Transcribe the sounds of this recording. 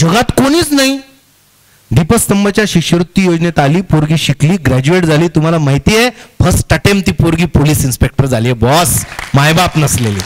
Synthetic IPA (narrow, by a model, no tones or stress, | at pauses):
d͡ʑəɡat̪koɽ̃iːt͡snaɦi | d̪ipəst̪əmbət͡ɕjaɕikɕəɾut̪ːjijod͡znet̪aliːpoɾɡiːɕikliːɡɾæd͡ʑueʈd͡zʱaliːt̪um̤alamaɦjt̪iːjepʰəsʈəʈemt̪iːpoɾɡiːpoliːsinspek̚ʈəɾd͡zʱaliːebɔsmajbapnəslelḭː